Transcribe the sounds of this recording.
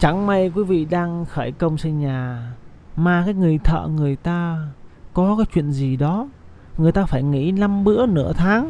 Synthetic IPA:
t͡ɕa˧˩ŋma˧jkwi˨˦vḭ˧˨ɗaː˧ŋxəː˧˩jkə˧wŋ͡msa˧ŋɲaː˨˩ | maː˨˩kaː˨˦jŋɨ˨˩əjt̪ʰə̰ː˧˨ŋɨ˨˩əjt̪aː˧kɔ˨˦kaː˨˦jt͡ɕwḭ˧˨ənzi˨˩ɗɔ˨˦ | ŋɨ˨˩əjt̪aː˧faː˧˩jŋḭ˧˥na˧mɓɨ̰˧˥ənɨ̰˧˥ət̪ʰaː˨˦ŋ

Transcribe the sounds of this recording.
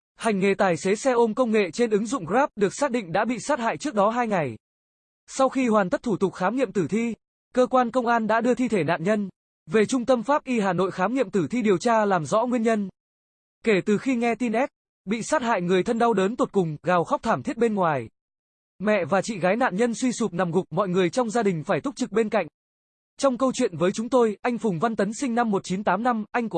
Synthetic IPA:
ha˨˩jŋ̟ŋe˨˩t̪aː˨˩jse˨˦sɛ˧ʔo˧mkə˧wŋ͡mŋḛ˧˨t͡ɕe˧nʔɨ˨˦ŋzʊ̰˧˨ŋ͡mɣɾaː˦˥p̚ɗɨ˨˩ək̚saː˦˥k̚ɗḭ̈˧˨ŋ̟ɗa̰ː˧˥ɓḭ˧˨saː˦˥t̚ha̰ː˧˨jt͡ɕɨ˦˥ək̚ɗɔ˨˦ɦaː˧jŋa˨˩j | sa˧wxi˧hwaː˨˩nt̪ə˦˥t̚t̪ʰu˧˩t̪ʊ˨˩k͡p̚xaː˨˦mŋḭ˧˨əmt̪ɨ˧˩t̪ʰi˧ | kəː˧kwaː˧nkə˧wŋ͡mʔaː˧nɗa̰ː˧˥ɗɨ˧ət̪ʰi˧t̪ʰe˧˩na̰ː˧˨nɲə˧n | ve˨˩t͡ɕʊ˧ŋ͡mt̪ə˧mfaː˦˥p̚ʔi˧ɦaː˨˩no̰˧˨jxaː˨˦mŋḭ˧˨əmt̪ɨ˧˩t̪ʰi˧ɗi˨˩əwt͡ɕaː˧laː˨˩mzɔ̰˧˥ŋwi˧ənɲə˧n | ke˧˩t̪ɨ˨˩xi˧ŋɛ˧t̪i˧nʔɛ˦˥t̚ | ɓḭ˧˨saː˦˥t̚ha̰ː˧˨jŋɨ˨˩əjt̪ʰə˧nɗa˧wɗəː˨˦nt̪o˨˩t̚kʊ˨˩ŋ͡mɣaː˨˩wxɔ˦˥k͡p̚t̪ʰaː˧˩mt̪ʰi˦˥t̚ɓe˧nŋwaː˨˩j | mɛ̰˧˨vaː˨˩t͡ɕḭ˧˨ɣaː˨˦jna̰ː˧˨nɲə˧nswi˧su˨˩p̚na˨˩mɣʊ˨˩k͡p̚mɔ̰˧˨jŋɨ˨˩əjt͡ɕɔ˧wŋ͡mzaː˧ɗï˨˩ŋ̟faː˧˩jt̪ʊ˦˥k͡p̚t͡ɕɨ˨˩k̚ɓe˧nka̰˧˨jŋ̟ | t͡ɕɔ˧wŋ͡mkə˧wt͡ɕwḭ˧˨ənvəː˨˦jt͡ɕʊ˨˦ŋ͡mt̪o˧jʔa˧jŋ̟fʊ˨˩ŋ͡mva˧nt̪ə˨˦nsï˧ŋ̟na˧mːo˨˩t̚t͡ɕi˨˦nt̪aː˨˦mna˧mʔa˧jŋ̟k

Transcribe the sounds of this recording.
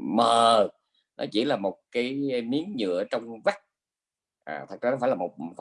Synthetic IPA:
məː˨˩ | nɔ˨˦t͡ɕi˧˩laː˨˩mo˨˩t̚kaː˨˦jni˨˦əŋɲɨ̰˧˨ət͡ɕɔ˧wŋ͡mva˦˥t̚ | ʔa̰ː˨˩t̪ʰə˨˩k̚zaː˧nɔ˨˦faː˧˩laː˨˩mo˨˩t̚f

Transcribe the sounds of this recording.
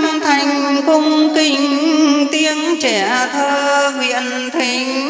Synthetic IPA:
mt̪ʰa˧ŋkʊ˧ŋki˧˩ŋt̪i˧əŋt͡ɕɛ˧˩t̪ʰə˧ʋi˧˨ən | t̪ʰi˧˩ŋ

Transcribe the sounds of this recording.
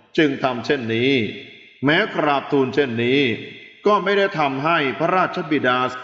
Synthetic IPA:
t͡ɕɯ˧ŋt̪ʰa˧mt͡ɕʰe˥˩nːiː˦˥ | mɛː˦˥kʰɾaː˨˩p̚t̪ʰuː˧nt͡ɕʰe˥˩nːiː˦˥kɔː˥˩ma˥˩jda˥˩jt̪ʰa˧mɦa˥˩jpʰa˦˥ɾaː˥˩t̪̚t͡ɕʰa˧bi˨˩daː˧

